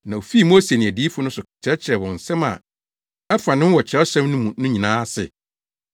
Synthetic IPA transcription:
nã˨o˨fi˦˨mo˦se˨nɪ̃˨æ˨diː˦fʊ˦nʊ̃˦sʊ˨t͡ɕʰɾɛ˦t͡ɕʰɪ˨ɾɛ˨wɔ̃˨n̩˨sɛ̃˦ma̰˨ | ɛ˦fã˨nɪ̃˦wɔ˨t͡ɕʰɪ˨ɾɛ˦ɔ˦ɕɛ̃˦mnʊ̃˦mũ˨nʊ̃˦ɲĩ˨nãː˦sɪ̰˨

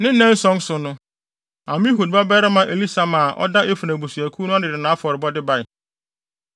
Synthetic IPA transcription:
nɪ̃˦nɛ̃˦n̩˦sɔ̃˦n˦sʊ˨nʊ̃˦ | ã˨m̃˦ɦu˨d̚ba˦bɛ˦ɾɪ˦mã˨ʔe˨li˦sa˨mã˨ʔɔ̰˦da˦ʔe˦fu˨næ̃˨bo˨su˨æ˨kʰu˦nʊ̃˦a˦dɪ˨dɪ˨nã˨˦fɔ˨ɾɪ˨bɔ˦dɪ˦ba˦ɪ˨

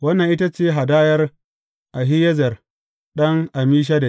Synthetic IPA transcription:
wɐ˦nːɐ˨ŋʔɪ˦ta˦t͡ʃeː˦ɦa˨daː˦jɐ˦r | ʔa˨ɦɪ˦jɐ˦zɐ˨r | ɗɐ˦ŋʔa˨miː˦ʃ̬a˦da˨

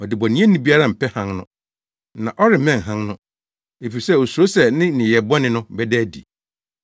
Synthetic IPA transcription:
ɔ˨dɪ˨bɔ˨nĩ˦ẽ˦nĩ˦bi˦a˦ɾa˦˨m̩˨pʰɛ˦hã˦nnʊ̰̃˦ | nã˨ʔɔ˦ɾɪ˨˦mɛ̃˦ŋ˨ɦã˦ŋnʊ̃˦ | e˨fi˨i˨sɛ˦˨o˨su˨ɾo˦sɛ˨nɪ̃˦nɪ̃˨jɛ˨bɔ˦nɪ̃˦nʊ̃˦bɛ˦dɛ˦dḭ˨

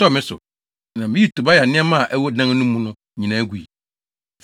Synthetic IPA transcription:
tɔ˦˨mɪ̃˦sʊ̰˨ | nã˨mɪ̃˦i˦tu˨ba˦ja˨nɪ̃˦ɛ˦mã˦˨ʔɛ˦wɔ˦dã˦ŋ˦nũ˦mũ˦nʊ̃˦ | ɲĩ˨nã˨˦ɡʷu˨i˨

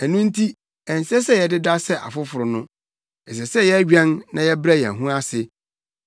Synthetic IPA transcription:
æ˨nũ˦n̩˦tʰi˦ | ɛ˨n̩˨sɛ˦s̬ɛ˦jɛ˨dɪ˦da˦sɛ˦ʔa̰˨fʊ˦fʊ˨ɾʊ˨nʊ̃˦ | ɛ˨s̬ɛ˨sɛ˦jɛ˦ɥᶣɛ̃˦nːã˦jɛ˦bɾa˦˨jɛ̰̃˨ɦũ˦a˦sɪ˨

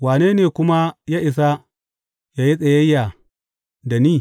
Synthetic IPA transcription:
waː˨neː˦neː˨kʷʊ˦ma˦jaː˦ʔɪ˨s̬a˦ | jaː˦ji˦sʼɐ˨jɐ˦jːa˨ | da˨niː˦˨

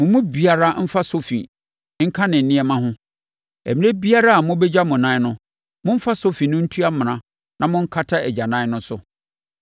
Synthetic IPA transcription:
mʊ̃˨mʊ̃˦bi˨a˨ɾa˦m̩˦fa˦so˦fḭ˨ | ŋ̩˦kʰã˦nɪ̃˨n̩˨nɪ̃˦ɛ˨mã˦ɦʊ̃˦ | æ̰˨mĩ˨˦æ˦bi˦a˦ɾa˦a˨mʊ̃˦bɛ˦d͡ʑa˦mʊ̃˨nãː˦nʊ̃˦ | mʊ̃˦m̩˦fa˦so˦fi˨nʊ̃˦n̩˦tʰu˦a˦mɪ̃˨nã˨ | nʔã˨mʊ̃˦ŋ̩˦kʰa˦tʰa˦æ˨d͡ʑa˨nã˦nʊ̃˦sʊ˦

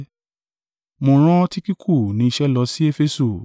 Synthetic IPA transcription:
mo˧ɾ̃ã˦ti˦ki˦kʰu˦˨nĩ˨˦i˧ʃɛ˦lɔ˧˦si˦e˦fe˦su˦˨

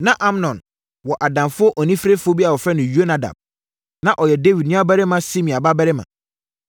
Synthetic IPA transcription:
nã˦ʔa˦mnɔ̃˨n | wɔ˨ʔa˨dã˨mfʊ˦ɔ˦ʔɔ˨nĩ˦fɾe˦fʊ˦ɔ˦bi˦a˨wɔ˨fɾɛ˦nʊ̃˨jo˦nã˨da̰˨b̥̚ | nã˨ʔɔ˨jɛ˨de˦wi˨d̚nʊ̃˦a˦bɛ˦ɾɪ˦mã˦si˦mĩ˨a˨ba˦bɛ˦ɾɪ˦mã̰˨

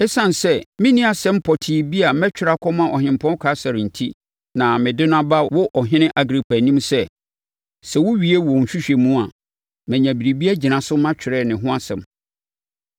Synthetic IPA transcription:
ɛ˦sã˦˨n˨sɛ˦mɪ̃˦nĩ˦a˨sɛ̃˦m̩˦pʰɔ˨tʰi˨bi˦a˨mɛ˦t͡ɕᶣʰɪ˨ɾa˨kʰɔ̃˦mã˨ʔɔ˨ɦɪ̃˨m̩˨pʰɔ̃˦kʰa˨˦sa˨ɾɪ̃˨n̩˨tʰi˦ | nã˨mɪ̃˨dɪ˦n˦ã˦ba˦wʊ˦ʔɔ˨ɦɪ̃˦nɪ̃˦ʔa˦ɡɾi˨pʰa˨nĩ˦msɛ˦ | sɛ˨wʊ˦ɥi˨e˦wɔ̃˨n̩˨ɕᶣi˦ɕᶣɛ˨mũ˦a˨ | mɛ̃˨ɲæ̃˨bi˨ɾi˨bi˦a˦d͡ʑi˨nã˨sʊ˦mã˦t͡ɕᶣʰɪ˨ɾɛ˦˨nɪ̃˨ɦʊ̃˦a˦sɛ̃˨m

